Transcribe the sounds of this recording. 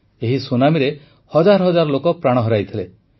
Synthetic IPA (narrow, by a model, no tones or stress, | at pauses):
eɦisonamiɾe | hɔd͡ʒaɾɔɦɔd͡ʒaɾɔlokɔpɾaɽ̃ɔɦɔɾajt̪ʰile